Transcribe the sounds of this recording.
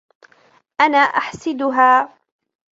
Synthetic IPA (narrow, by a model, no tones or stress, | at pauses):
ʔanaːʔaħsɪd̪ʊɦaː